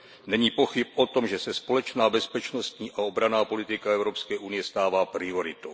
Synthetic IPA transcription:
nɛɲiːpo̞xɪp̚ʔo̞t̪o̞mʒɛsɛspo̞lɛt͡ʃnaːbɛspɛt͡ʃno̞st̪ɲiːʔao̞bɾanaːpo̞lɪt̪ɪkaɛvɾo̞pskɛːʔunɪjɛst̪aːvaːpɾɪo̞ɾɪt̪ow

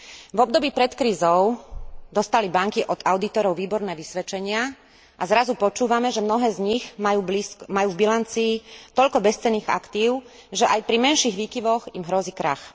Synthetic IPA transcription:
vɔb̚d̪ɔbiːpɾɛt̪kɾiːzɔʊd̪ɔst̪alibaŋkiʔɔd̪aʊd̪it̪ɔɾɔʊʋiːbɔɾnɛːʋisʋɛt͡ʃɛɲɪa | ʔazɾazupɔt͡ʃuːʋamɛʒɛmnɔɦɛːzɲiɣmajuːbliskmajuːvbilant͡siːt̪ɔʎkɔbɛst͡sɛnːiːɣa̰kt̪iːʊ | ʒɛʔajpɾimɛnʃiːɣʋiːkiʋɔɣimɦɾɔziːkɾa̰x

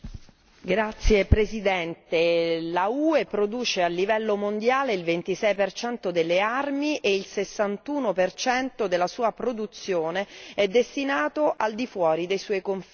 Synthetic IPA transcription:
ɡɾat̪sːjepɾezid̪ɛnt̪elauːepɾod̪uːt͡ʃealːivɛlːomond̪jaːleilvent̪isɛjpert͡ʃɛnt̪od̪elːearmiʔeilsesːant̪uːnopert͡ʃɛnt̪od̪elːasuːapɾod̪ut̪sːjoːneɛd̪ːest̪inaːt̪oʔald̪ifwɔːɾid̪ejsɔjkoɱf

